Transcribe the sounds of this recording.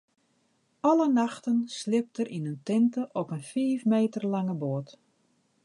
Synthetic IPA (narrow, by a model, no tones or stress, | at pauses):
ɔlənaxtənslɪp̚tərʔinəntɪntəʔɔpənfiːfmeːtərlaŋəboːt